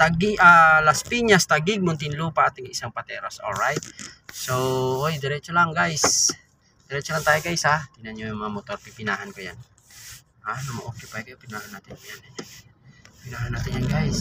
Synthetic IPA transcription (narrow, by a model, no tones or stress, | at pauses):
t̪aɡiʔalaspiɲast̪aɡiɡ̚mʊnt̪ɪnlupat̪ɪŋiʔisaŋpat̪ɛɾasolɹajt̪̚sowojd̪ɛɾɛt͡ʃolaŋɡajs | d̪̥ɛɾɛt͡ʃolaŋt̪aːjiɡajsad̪inanɲojʊŋmɐŋamot̪orpipɪnaːɦankoja̰n | anamaʔokɛpajkajopɪnahanːat̪ɪnkojanɛ | pinaɦanːaːt̪ɪnɲjanɡajs